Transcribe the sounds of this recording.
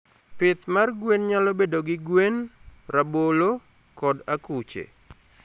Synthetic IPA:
pɪt̪marɡwenɲalɔbedoɡɪɡwenrabolo | kɔdakut͡ʃḛ

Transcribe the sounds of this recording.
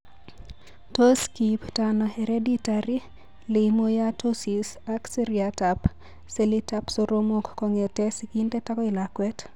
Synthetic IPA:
toskiptanɔɛɾeditaɾi | limojatosisakseɾiatap | selitapsoɾomokːɔŋetɛsikintɛtakɔɪlakwɛt

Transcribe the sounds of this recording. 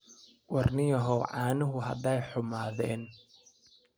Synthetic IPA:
wɑrnɪjɐɦɔwʕɑːnʊɦʊɦɐ̰d̪ɛjħʊmaːðɛːn

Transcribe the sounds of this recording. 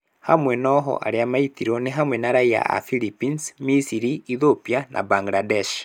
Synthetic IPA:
hamwenɔɦo̰ʔa̰ɾeamaitiɾoneɦamwenaɾaia̰a̰filipinsmisiɾiiðopianʔa̰baŋɡladeʃ

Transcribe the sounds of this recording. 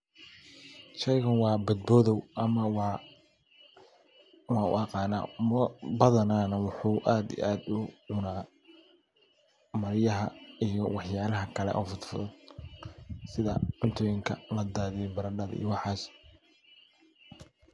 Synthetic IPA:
ʃɛjɣɐnwɑːbɐd̪̚bɔːðɔwʔɐmɐw | wɑːʊ̰ɑqɑːna̰ːbɐðɐnaːnɐwʊħuːʔaːd̪ḭʔaːd̪ʊʕʊnaː | mɐɾjɐɦɐijɔwɑħjaːlɐɦɐkʰɐlɛ̰ʔɔːfʊt̪fɔðɐ | sɪðɐ̰ʕʊnt̪ʰɔːjɪŋkʰɐlɐd̪aːðɪjɛbɐɾɐɖɐðḭjɔwɑħɑːs

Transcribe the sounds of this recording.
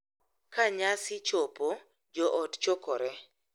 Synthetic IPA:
kaɲasɪt͡ʃopo | d͡ʒɔʔɔtt͡ʃɔkɔɾɛ

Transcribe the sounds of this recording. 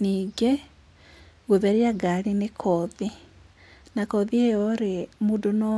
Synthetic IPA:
niːɡe | ɣoβeɾiaɡaɾinekʰɔði | nakɔðiejoɾemudonɔ

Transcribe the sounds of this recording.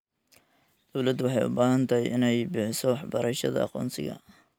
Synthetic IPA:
d̪̥ɔwlɐd̪wɑħɑjʊ̰baːɦɐnt̪ʰɐjʔɪnɛjbɪħɪsɔwɑħbɐɾɐʃɐðɐ̰ɑ̰qɔ̰ːnsɪɣɐ̰

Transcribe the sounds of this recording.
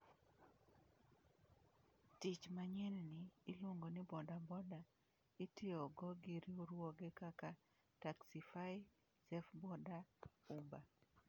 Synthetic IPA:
tit͡ʃmaɲɛnniːloŋɡonɪbɔdabɔda | itʰɪɔɡɔɡiɾioɾwɔɡɛkaka | taksifaɪ | sɛfbɔdaumba

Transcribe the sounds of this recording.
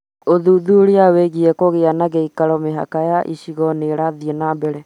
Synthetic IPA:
oðuðuɾiaweɣiɛkoɣeanaɣeikaɾɔmeɦa̰kajaʔiɕiɣɔneɾaðienabɛɾɛ

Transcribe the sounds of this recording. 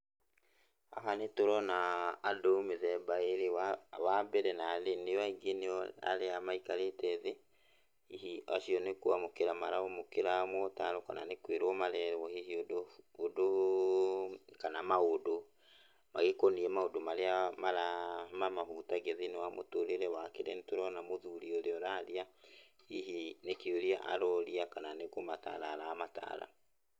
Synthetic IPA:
a̰ɦanetoɾɔnaːdomeðɛbaeɾewabɛɾɛnalenejaiɡeneɔa̰ɾeamaikaɾetɛðe | ihiaʃiɔnekuamokeɾamaɾamokeɾamwɔtaɾokana̰nekweɾwɔmaɾɛɾwɔhiɦiodoːdo | kanamaodo | maɣekoniɛmaodomaɾeamaɾamamaɦutaɡɛðinewamo̰toɾeɾɛwakeɾʔentuɾɔnamoðuɾiɔɾeɔɾaɾia | hiɦinekioɾia̰ʔa̰ɾɔɾiakananekomata̰ɾaːɾaːmata̰ɾa̰

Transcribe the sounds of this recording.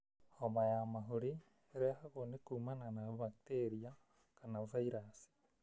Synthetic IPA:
omajamaɦoɾi | ɾɛhaɣonekuːmananaβak̚teɾia | kanafaiɾasi̥

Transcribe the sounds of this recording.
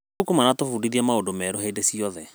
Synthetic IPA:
ukumanatofudiðiamaodomɛːɾoɦeidesiɔðɛ

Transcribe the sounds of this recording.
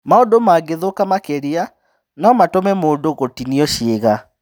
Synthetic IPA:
maodomaɡeðokamakeɾia | nɔmatomɛmoːndoɣotiniɔʃeɣa

